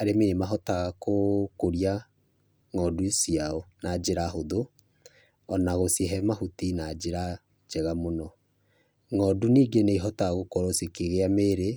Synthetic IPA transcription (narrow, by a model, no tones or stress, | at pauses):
aɾemenemaɦɔtaɣakokoɾia | ŋɔdusiaɔnad͡ʒeɾaɦoðo | ɔnaɣosjeɦɛmahutinad͡ʒeɾa | d͡ʒɛɣamonɔ | ŋɔduniːɡeneiɦɔtaɣaɣokɔɾɔsekeɣeameɾe